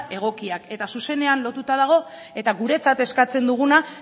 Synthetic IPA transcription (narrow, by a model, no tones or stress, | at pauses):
e̞ɣ̞o̞kiake̞t̪asuse̞ne̞anlo̞t̪ut̪að̞aɣ̞o̞ | e̞t̪aɣuɾe̞t͡sat̪e̞skat͡se̞nd̪uɣ̞una